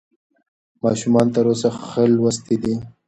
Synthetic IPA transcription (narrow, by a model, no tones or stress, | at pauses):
mɑʃumɑnt̪əɾos̬axəlwast̪id̪i